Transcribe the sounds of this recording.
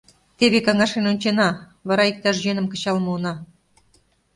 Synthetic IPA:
t̪eβekɑŋɑʃenonʲt͡ɕenɑ | βɑɾɑik̚t̪ɑʃ̬ʒenə̆mkə̆t͡ɕɑlmɤ̆onɑ

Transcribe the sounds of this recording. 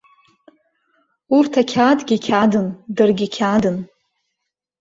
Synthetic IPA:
urtʰakʲʰaːdɡʲikʲʰadɨndɨrɡʲikʲʰadɨn

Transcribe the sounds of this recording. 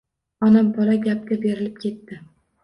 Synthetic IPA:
ɒnambɒlaɡʲap̚kʲabe̞ɾɪlɪp̚kʲʰe̞t̪ːɪ

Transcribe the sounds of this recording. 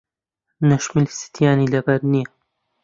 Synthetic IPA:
nɐʃmɪlsi̥t̪ʰjaːnilɐbɐɾnijɐ

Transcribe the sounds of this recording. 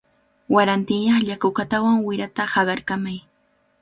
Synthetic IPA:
waɾant̪ɪŋjɑχʎakʊkat̪awaŋwɪɾat̪ahɑɢɑɾkamaj

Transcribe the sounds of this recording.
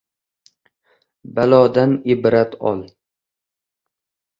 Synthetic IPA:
balɒːd̪anɪbɾat̪ʰɒ̰lˠ

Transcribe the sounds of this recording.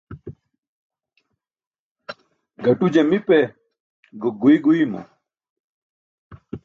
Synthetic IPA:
ɡɐʈud͡ʑemipe | ɡoɡuiɡuimɐ̰

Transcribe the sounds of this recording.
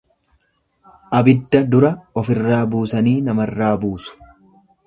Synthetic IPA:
ʔɐbɪd̪ːɐd̪ʊɾɐɔfɪrːaːbuːsɐniːnɐmɐrːaːbuːsʊ̥

